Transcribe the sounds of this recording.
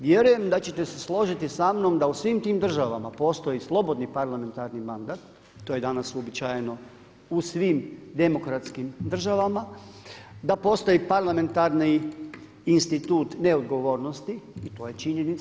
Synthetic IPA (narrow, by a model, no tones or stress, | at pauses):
ʋje̞ɾuje̞md̪at͡ɕe̞t̪e̞se̞slˠo̞ʒit̪isamno̞md̪ausʋiːmt̪iːmd̪r̩ʒaʋamapo̞st̪o̞jislˠo̞bo̞d̪nipaɾlˠame̞nt̪aɾnimand̪aːt̪ː | oje̞d̪anasuobit͡ʃaːjeno̞ | usʋimd̪e̞mo̞kɾat̪skimd̪r̩ʒaʋama | d̪apo̞ːst̪o̞jipaɾlˠame̞nt̪aɾniː | nst̪it̪uːt̪ne̞o̞d̪ɡo̞ʋo̞ːɾno̞st̪iːt̪o̞ːje̞t͡ʃiɲenit̪